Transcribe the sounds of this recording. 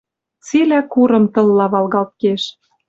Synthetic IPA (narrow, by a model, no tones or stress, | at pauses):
t͡silækuɾɤ̆mt̪ɤ̆lːɑβɑlɣɑlt̪̚keʃ